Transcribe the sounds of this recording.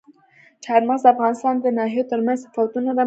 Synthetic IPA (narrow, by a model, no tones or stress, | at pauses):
t͡ʃɑɾmaɣzd̪əafɣɑnɪst̪ɑnd̪ənɑɦijot̪əɾmanzsafawat̪unad̪a